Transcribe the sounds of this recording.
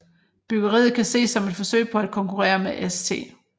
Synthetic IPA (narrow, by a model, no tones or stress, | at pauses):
b̥yɡ̥ɐʁḭːð̩ˠkʰæse̝̰ːsːɒ̽me̝d̥fɒ̽sø̰ɪ̰pʰɒ̽æd̥̚kʰɒ̽ŋkʰuʁɛ̰ːɐmeʔest͡sʰe̝̰ː